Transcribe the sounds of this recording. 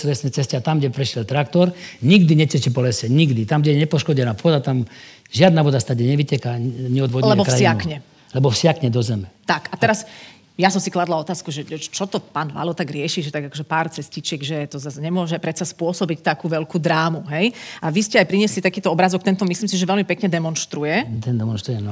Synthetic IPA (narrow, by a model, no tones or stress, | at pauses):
sɛlɛsnɛt͡sɛscɛat̪amɡɟɛpɾɛʃɛlt̪ɾak̚t̪ɔɾɲiɡd̪iɲɛt͡sɛt͡ʃipɔlɛsɛɲiɡd̪it̪amɡɟɛɲɛpɔʃkɔɟɛnapɔd̪at̪am | ʒɪad̪naʋɔd̪ast̪aɟɛɲɛʋicɛkaɲɛɔd̪ʋɔɟlɛɛɛbɔkɾasiɪakɲɛ | lɛbɔfsɪakɲɛd̪ɔzɛmɛt̪akat̪ɛɾas | jasɔmsiklad̪laɔt̪aːskuʒɛt͡ʃɔt̪ɔpaːnʋa̰lɔt̪aɡɾɪɛʃiʒɛt̪aɡakɔʒɛpaːɾt͡sɛscit͡ʃɛɡʒɛt̪ɔzasɲɛmʊɔʒɛpɾɛt̪t͡saspʊɔsɔbict̪akuːʋɛʎkuːd̪ɾaːmuɦɛjaʋiscɛajpɾiɲɛslit̪akiːt̪ɔɔbɾazɔk̚t̪ɛnt̪ɔmisliːmsiʒɛʋɛlmipɛkɲɛd̪ɛmɔnʃt̪ɾujɛt̪ɛnd̪ɛmɔnʃt̪ɾujɛnɔ